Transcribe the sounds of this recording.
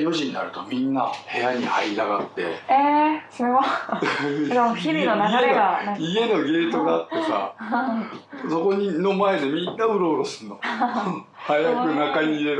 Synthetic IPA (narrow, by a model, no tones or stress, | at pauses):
jo̞ʑiɲina̰ɾɯ̟t̪o̞mʲĩnːahe̞jaɲ̟ihaiɾaɡat̪ːe̞̰esimema | d̪eçiɾʲinonaeaie̞noɡe̞ːt̪o̞ɡaːt̪ːe̞sa̰ | so̞ko̞ɲ̟ino̞mae̞d̪e̞mʲĩnːaɯ̟ɾo̞ɯɾosɨ̥nːo̞ | hajakɯ̟nakaɲ̟iːɾe̞ɾ